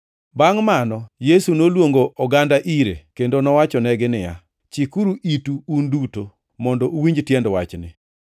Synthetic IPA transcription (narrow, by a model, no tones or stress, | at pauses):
baŋmanɔjesunolwoŋɡoʔɔɡandaʔiɾḛkendonɔwat͡ʃɔnɛɡɪnɪja̰ | t͡ʃikuɾuʔituːnduto | mɔndɔʔuwiɲd͡ʒtjɛndwat͡ʃnɪ̰